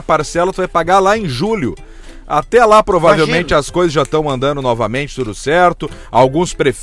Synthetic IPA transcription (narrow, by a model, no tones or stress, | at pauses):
paɾsɛlɐt̪ʊvajpaɡalaẽj̃ʒuljʊ | at̪ɛlapɾovavewmẽnt͡ʃɪɐskojzɐzʒast̪ɐ̃w̃ɐ̃nd̪ɐ̃nd̪ʊnɔvɐmẽnt͡ʃɪt̪ud̪ʊsɛɾt̪ʊawɡũspɾef